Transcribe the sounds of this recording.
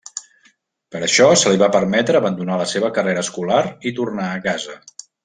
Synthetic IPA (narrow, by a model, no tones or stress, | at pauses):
pəɾəʃɔsəliβ̞apəɾmɛt̪ɾəːβənd̪unaləseβəkəreɾəskulaɾit̪urnaəkazə